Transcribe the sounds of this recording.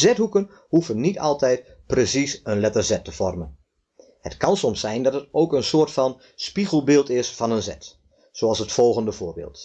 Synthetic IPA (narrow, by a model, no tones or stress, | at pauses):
zɛthukən | hufənːitʰɑlˠtɛjt̚ | presisənlɛtərzɛtʰəfɔrmən | hətkɑnsɔmsɛjndɑtətowkənsoːrtfɑn | spiɣəlˠbɪːlˠtɪsfɑnənzɛt | soːɑlˠsətfɔlˠɣəndəvʊːbɪ̰ːlˠt